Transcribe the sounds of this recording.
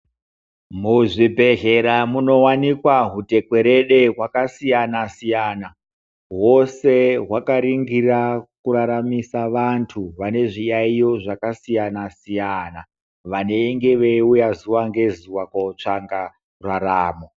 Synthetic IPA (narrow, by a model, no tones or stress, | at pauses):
muʐibʱe̞ɦe̞ɾamuno̞wanikwaɦute̞kwe̞ɾe̞ɗe̞ɦwakasijanasijaːna | wo̞se̞ɦwakaɾiŋɡirakuɾaɾamisaʋantʰuʋane̞ʐijaijoʐakasijanasijana | ʋane̞iŋɡe̞ʋeujazuwaŋɡe̞zuwakwot͡ʂaŋɡa | raɾaːmo